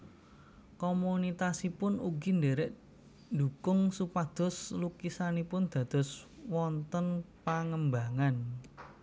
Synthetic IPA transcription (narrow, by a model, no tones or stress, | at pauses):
komunit̪asipʊnuɡindeɾɛʔ | nd̪ukʊŋsupad̪̥ɔ̤slukisanipʊnd̪̥ä̤d̪̥ɔ̤swɔnt̪ənpaŋəmbaŋan